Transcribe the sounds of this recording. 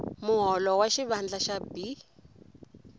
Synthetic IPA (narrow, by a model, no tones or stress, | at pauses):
muɦɔlɔwaʃiβand͡ɮaʃabi